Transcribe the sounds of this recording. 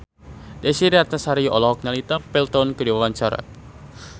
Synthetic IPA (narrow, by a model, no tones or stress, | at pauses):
dɛsiɾiat̪asaɾiʔɔlɔɦɔk̚nalit̪apɛlt̪ɔnkədiwawaɲt͡ʃaɾa̰k̚